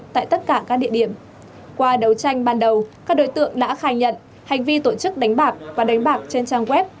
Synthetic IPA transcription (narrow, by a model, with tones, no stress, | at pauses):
t̪a̰ː˧˨jt̪ə˦˥t̚kaː˧˩kaː˦˥k̚ɗḭ˧˨əɗi˧˩əm | kwaː˧ɗə˨˦wt͡ɕa˧jŋ̟ɓaː˨˩nɗə˨˩wkaː˦˥k̚ɗo̰˧˦jt̪ɨ̰˧˨əŋɗa̰ː˧˥xaː˧˩jɲə̰˧˨n | ha˨˩jŋ̟vi˧t̪o˧˩t͡ɕɨ˦˥k̚ɗa˨˦jŋ̟ɓaː˨˩k̚vaː˨˩ɗa˨˦jŋ̟ɓaː˨˩k̚t͡ɕe˧nt͡ɕaː˧ŋkwɛ˦˥p̚